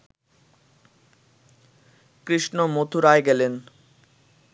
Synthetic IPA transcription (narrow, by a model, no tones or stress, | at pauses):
kɾiʃnomot̪ʰuɾaeɡɛlen